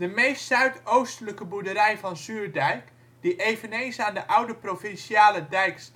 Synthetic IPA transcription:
dəmejstsœɥtʰowstələkəbudəɾɛjfɑnsyːɹdɛjk | d̥iʔeːvənejnsaːndəʔʌwdəprofɪnsjaːlədɛjks

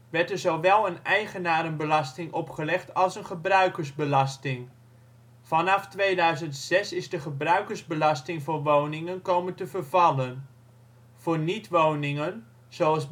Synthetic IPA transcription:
ʋɛɹtəɹzowʋɛlˠənɛjχənaːɾənbəlɑstɪŋʔɔpχəlɛχtʰɑlˠsənχəbrœɥkəɹzbəlɑstɪŋ | fɑnɑftʋejdœɥzəntsɛsɪzdəχəbrœɥkəɹzbəlɑstɪŋvʊnʋownɪŋənkowməntəvərvɑlən | v̥ʊːɹnitʋownɪŋən | z̥owɑlˠs

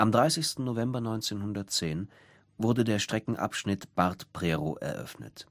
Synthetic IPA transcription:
ʔamdʁaɪsɪçstn̩novɛmbɐnɔʏnt͡seːnhʊndɐtt͡seːn | vʊɐdədeːɐʃtʁ̥ɛkŋ̩ʔa̰pʃnɪtb̥aɐtpʁ̥ɛːʁoʔɛ̰ɐʔœ̰fnə̰t

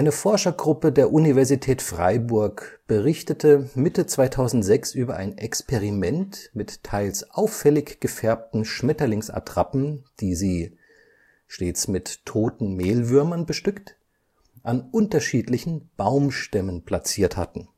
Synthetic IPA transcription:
ʔaɪnəfɔɐʃɐɡʁʊpədeːɐʔunivɛɐzitʰɛːtfʁ̥a̰ɪbʊɐkb̥əʁɪçtətʰəmɪtət͡sv̥aɪtʰaʊzn̩tz̥ɛksʔyːbɐʔa̰ɪnʔɛkspʰɛʁimɛntmɪtʰːaɪlsʔaʊfːɛlɪçɡ̥əfɛɐp̚tn̩ʃmɛtɐlɪŋsa̰tʁ̥apn̩d̥iːziː | ʃteːt͡smɪtʰːoːtn̩meːlvʏɐmɐnbəʃtʏkt | ʔanʔʊntɐʃiːtlɪçn̩b̥aʊmʃtɛmənpʰl̥at͡siːɐtha̰tn̩

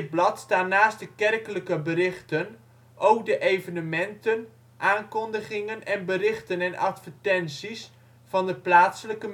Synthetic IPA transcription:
d̚blɑtstaːnːaːstdəkɛrkələkəbəɾɪχtən | ʔowk̚dəʔejvənəmɛntən | ʔaːnkɔndəχɪŋənɛnbəɾɪχtənɛnʔɑ̰tfətɛnsis | fɑndəplaːtsələkə

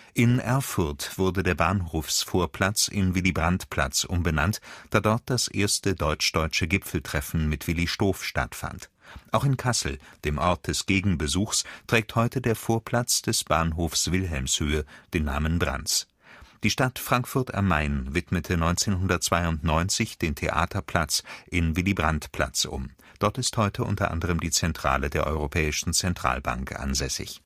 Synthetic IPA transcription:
ʔɪnʔɛɐfʊɐtv̥ʊɐdədeːɐbaːnhoːfsfoːɐpʰl̥at͡sɪnvɪlibʁantpʰl̥a̰t͡sʔʊmbəna̰ntd̥aːdɔɐt̚d̥asʔeːɐstədɔʏt͡ʃd̥ɔʏt͡ʃəɡɪpfl̩tʁ̥ɛfn̩mɪtv̥ɪliʃtoːfʃta̰tfa̰nt | ʔaʊxɪnkʰasl̩d̥eːmʔɔɐt̚d̥ɛsɡ̥eːɡŋ̩bəzuːxstʁ̥ɛːk̚thɔʏtədeːɐfoːɐpʰl̥at͡sd̥ɛsb̥aːnɦoːfsv̥ɪlɦɛlmshøːəd̥eːnːaːmənbʁa̰nt͡s | d̥iːʃtatfʁ̥aŋkfʊɐtʔa̰maɪnvɪtmətʰənɔʏnt͡seːnɦʊndɐt̚t͡sv̥aɪʊntnɔʏnt͡sɪçd̥eːntʰḛʔa̰ːtʰɐpʰl̥at͡sʔɪnvɪlibʁantpʰl̥a̰t͡sʔʊ̰m | d̥ɔɐtɪsthɔʏtʰəʔʊ̰ntɐ̰ʔa̰ndəʁ̞əmdiːt͡sɛntʁ̥a̰ːlədeːɐʔɔ̰ʏʁ̞opʰɛːɪʃn̩t͡sɛntʁ̥a̰ːlba̰ŋkʔa̰nzɛsɪ̰ç

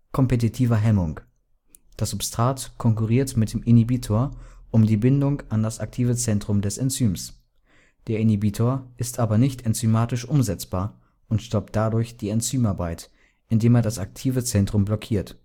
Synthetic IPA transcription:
kʰɔmpet̬itʰiːvɐɦɛmʊŋ | d̥asʊpstʁ̥aːtkʰɔŋkuʁiːɐtmɪt̚d̥eːmʔɪnibiːtʰoːɐʔʊmdiːbɪndʊŋʔandasak̚tʰiːvət͡sɛntʁ̥ʊmdɛsɛnt͡syːms | d̥eːɐɪnibitʰoːɐʔɪstʔaːbɐnɪçtʰɛnt͡symaːtɪʃʔʊmzɛt͡sb̥aːɐ | ʔʊntʃtɔp̚t̚d̥adʊɐçd̥iːɛnt͡syːmaɐbaɪt | ʔɪndeːmeːɐdasak̚tʰiːvət͡sɛntʁ̥ʊmblɔkʰiːɐt

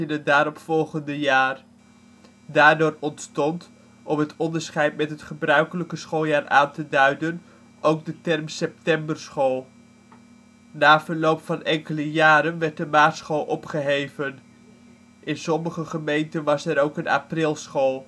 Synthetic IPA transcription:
ɪnət̚daːɾɔpfɔlˠχəndəjaːr | daːɹdʊːrɔntstɔnt | ʔɔmɦətʰɔndəɹsχɛjtmɛtɦətχəbrœɥkələkəsχolˠjaːrʔaːntədœɥdən | ʔowɡ̚dətɛrmsɛp̚tɛmbəɹsχolˠ | naːvəɹlowpfɑnɛŋkələjaːɾənʋɛɹt̚dəmaːtsχoːlˠʔɔpχəɦejvən | ʔɪnsɔməχəχəmejntənʋɑsɛɾowkəna̰ːprɪlˠsχolˠ

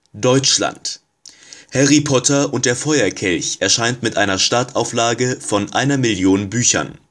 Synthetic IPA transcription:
d̥ɔʏt͡ʃla̰nt | hɛʁipʰɔtʰɐʔʊntd̥eːɐfɔʏɐkʰɛlçʔɛɐʃaɪntmɪtʔaɪnɐʃtaɐtaʊflaːɡəfɔnʔa̰ɪnɐmɪljoːnbyːçɐ̰n

